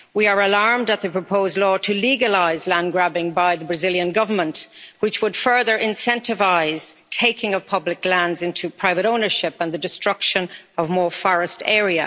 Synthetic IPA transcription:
wiə˞əlaɹmdət̪̚ðəpʰɹ̥əpʰoʊzdˡlɔːɾʰɨliɡəlaɪzlæ̃nɡɹabɪ̃ŋbaɪðəbɹɨzɪljə̃nɡʌvə˞mə̃nʔwɪt͡ʃwəd̥fɜ˞ðə˞ʔɪ̃nsɛ̃ntɨvaɪz̥tʰeɪkʰɪ̃ŋʌv̥pʰʌblɪklæ̃ndzɪ̃ntʰupʰɹ̥aɪvəɾõʊ̃nə˞ʃɪpə̃nðədɨstɹ̥ʌkʃə̃nʌvmɔːɹfɔɹɨstɛɹiɨ

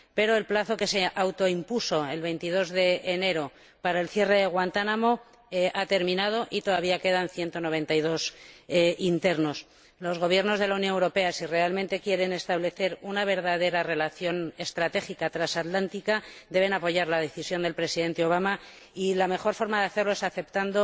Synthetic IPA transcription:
pe̞ɾo̞e̞lplaθo̞ke̞seʔawt̪o̞impuso̞e̞lβe̞jnt̪ið̞o̞zðe̞ːne̞ɾo̞ | paɾae̞lθje̞re̞ðe̞ɣwant̪anamo | at̪e̞ɾmĩnað̞o̞ʔit̪o̞ð̞aβiake̞ð̞anθje̞nt̪o̞no̞β̞e̞nt̪ajð̞o̞s | int̪e̞ɾno̞s | lo̞zɣ̞o̞β̞je̞ɾno̞zð̞e̞launjõnewɾo̞pe̞asire̞almẽnt̪e̞kje̞ɾe̞ne̞st̪aβle̞θe̞ɾunaβ̞e̞ɾðaðe̞ɾare̞laθjo̞ne̞st̪ɾat̪e̞xikat̪ɾasat̪lant̪ikad̪e̞β̞e̞napo̞ʝaɾlaðe̞θisjo̞nd̪e̞lpɾe̞siðe̞nt̪eo̞β̞ama | ilame̞xo̞ɾfo̞ɾmaðeaθe̞ɾlo̞e̞saθe̞p̚t̪and̪o̞

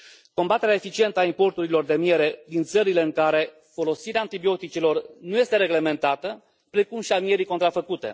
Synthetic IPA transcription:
ko̞mbat̪e̞ɾeaefit͡ʃient̪əaimpo̞rt̪uɾilo̞rd̪e̞mie̞ɾe̞d̪int̪səɾile̞ɨŋkaɾe̞ | fo̞lo̞siɾeaːnt̪ibio̞t̪it͡ʃilo̞rnuje̞st̪e̞ɾe̞ɡle̞me̞nt̪at̪ə | pɾe̞kumʃiamie̞ɾiko̞nt̪ɾafəkut̪e̞̰

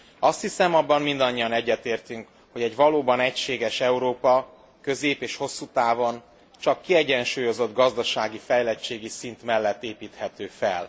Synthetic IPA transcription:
ɒst̪hisɛmɒbːɒmmind̪ɒɲːijɒnɛɟːɛt̪eːrt̪yŋk | ho̞ɟɛɟʋɒloːbɒnɛcʃeːɡɛʃɛuɾoːpɒ | kø̞zeːpeːʃho̞sːut̪aːvo̞n | t͡ʃɒkːiɛɟɛnʃuːjo̞zo̞d̪ɡɒzd̪ɒʃaːɡifɛjlɛt͡ʃeːɡisint̪mɛlːɛt̪ːeːpiːt̪hɛt̪øːfɛ̰l

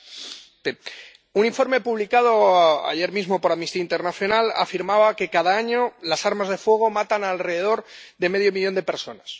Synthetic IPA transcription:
e | uniɱfo̞ɾme̞puβlikað̞o̞a̰ʝe̞ɾmizmo̞po̞ɾamnist̪iaint̪e̞ɾnaθjo̞nala̰fiɾmaβake̞kaðaaɲolasaɾmazðe̞fwe̞ɣ̞o̞mat̪analre̞ðe̞ð̞o̞ɾðe̞me̞ðjo̞miʎo̞nd̪e̞pe̞ɾso̞̰nas

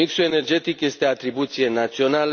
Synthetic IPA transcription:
iksue̞ne̞rd͡ʒe̞t̪ikje̞st̪e̞at̪ɾibut̪sije̞nat̪sio̞nal

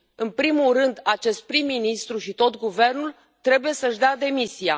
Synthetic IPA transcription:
ɨnpɾimulrɨnd̪at͡ʃe̞st̪̚pɾimːinist̪ɾuʃit̪o̞t̪ɡuve̞rnul | t̪ɾe̞buje̞səʃd̪ead̪e̞misia̰

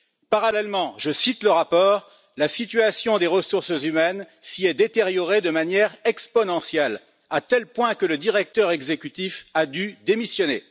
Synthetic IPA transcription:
paʁalɛlmɑ̃ʒəsit̪ləʁapɔːʁ | lasit̪yasjɔ̃d̪eʁəsuʁsəzymɛn | siɛd̪et̪eʁjɔʁed̪əmanjɛʁɛkspɔnɑ̃sjɛl | at̪ɛlpwɛ̃kələd̪iʁɛk̚t̪œʁɛɡzekʲyt̪ifad̪yd̪emisjɔne

